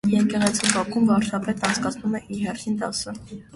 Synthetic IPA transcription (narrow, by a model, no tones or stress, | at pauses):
jɛɾkɛʁɛt͡sʰibɑkʰumvɑɾt͡ʃʰɑpɛt̪ɑnt͡sʰkɑt͡sʰnumɛʔiɦɛrt̪ʰint̪ɑsə